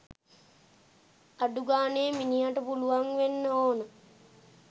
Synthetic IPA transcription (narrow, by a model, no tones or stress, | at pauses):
aɖuɡaːneːminijaʈəpuluʋaŋʋenːəoːnə